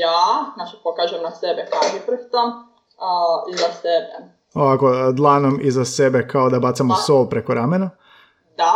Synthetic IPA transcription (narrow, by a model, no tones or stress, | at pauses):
jaːnat͡ʃpokaʒuemnasebekaoipr̩kt̪om | izasebe | oʋako̞d̪lˠanomizase̞be̞kaod̪abat̪samosoːlˠpɾekoɾamena | d̪a